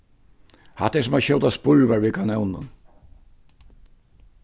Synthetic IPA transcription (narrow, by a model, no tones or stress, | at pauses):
ha̰t̪ɛsʊmaçɔwt̪aspʊɹvaɹvikanɛwnnːʊ̰n